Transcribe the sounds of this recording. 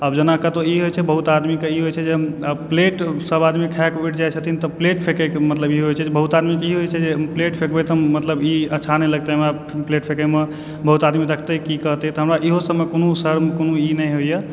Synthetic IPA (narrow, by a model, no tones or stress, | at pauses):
əbd͡ʒənakət̪oiɦojt͡ʃʰɛbəɦut̪ad̪mikeiɦojt͡ʃʰɛd͡ʒepleʈsəbad̪mikʰɛkuiʈ̚ʰd͡ʒajt͡ʃʰət̪ʰint̪ɔpleʈpʰekəkmət̪ləbiɦojt͡ʃʰɛd͡ʒebəɦut̪ad̪mikeiɦojt͡ʃʰɛd͡ʒepleʈpʰekbet̪əmət̪ləbiəːʃʰanɛjləɡ̚t̪eɦəmɾa | pleʈpʰekəme | bəɦut̪ad̪miɾəkʰt̪ekikəɦt̪ɛt̪ɔɦəmɾaʔiɦosəmekonosəɾmkonuinəɦojə